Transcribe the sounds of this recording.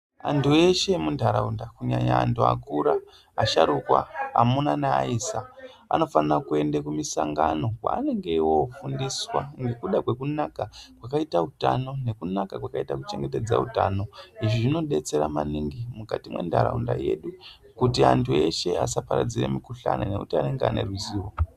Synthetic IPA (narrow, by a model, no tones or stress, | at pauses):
antʰue̞ʃe̞mundʱaɾaundakuɲaɲaːntʰua̰kuɾa | aʃaɾukwa̰amunanaaiːsa | a̰no̞fanarakue̞ndakumisaŋɡano̞kwa̰ːne̞ŋɡeiwo̞fundiswa̰ŋɡe̞kuɗakwe̞kunakakwakaitautano̞ne̞kunakakwakaitakut͡ʃe̞ŋɡe̞t̬e̞d͡zautaːno̞iʐiʐino̞ɗe̞t͡se̞ɾamaniŋɡimukatimwe̞̰ndaɾaunda̰je̞ɗu | kutiantʰue̞ʃe̞asapaɾad͡ziɾemikuɬanane̞kutiane̞ŋɡeane̞̰riziːwo